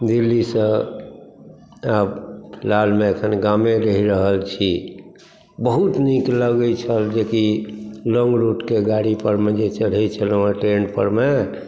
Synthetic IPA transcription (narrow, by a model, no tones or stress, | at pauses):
d̪ilːisə̃ | abpʰilalmeəkʰənɡameɾəɦiɾəɦəlt͡ʃʰi | bəɦut̪nikləɡət͡ʃʰəld͡ʒekiloŋɡɾuʈkeɡaɽipəɾmed͡ʒet͡ʃəɽ̤ɦɛt͡ʃʰələ̃aʈɾenpə̰ɾme